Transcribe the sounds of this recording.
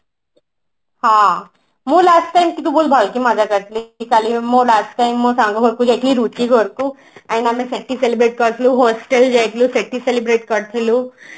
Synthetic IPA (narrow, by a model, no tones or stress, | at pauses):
hã | mulasʈʈajmkit̪ubolbʱalkimad͡ʒakəɾt̪ʰlikalimːolasʈʈajmːɔsãŋɡuɡʱoɾkud͡ʒek̪ʰliɾut͡ʃiɡʱɔɾku | aninamẽseʈːiselibɾeːʈ̚kəɾt̪ʰluɦosʈeld͡ʒajk̪luseʈːiselibɾeːʈkəɾt̪ʰilu